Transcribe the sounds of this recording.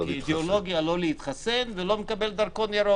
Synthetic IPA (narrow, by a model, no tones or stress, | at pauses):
id̪eolo̞ɡijalo̞leit̪χasenvelo̞mekabeld̪aɾkonjaɾo